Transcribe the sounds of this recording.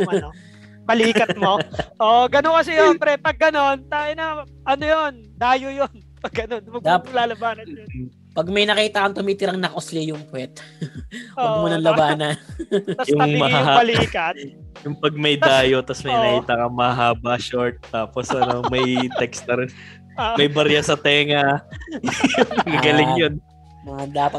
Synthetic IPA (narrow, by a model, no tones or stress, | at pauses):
pɐliːkɐt̪̚moʔoʔɡɐnokɐsɛjonpɛɾɛpɐɡ̚ːɐno̞nt̪aːɪnɐ | ʔɐnojon | d̪aːjojon | pɐɡɡɐnonmɐɡd̪aplaːlɐbaːnɐ | pɐɡ̚mɐjnɐkiːt̪ɐkɐŋt̪ʊmiːt̪ɪɾɐŋnɐʔoslɪjʊŋpwɛt̪ | oɡuːnɐŋlɐbaːnɐ | jʊŋmɐɦaɦaɐlikɐt̪jʊŋpɐɡ̚mɐjd̪aːjot̪ɐsmɐjnɐkiːt̪ɐkɐŋmɐhaɦaːbɐʃoɹt̪̚ːaːposʔɐno̞mɐjt̪ɛksnɐɾɪn | mɐjbɐɾjasɐt̪ɛːŋɐ | jʊŋɐɡɐlɪŋjon | mɐd̪aːpɐt̪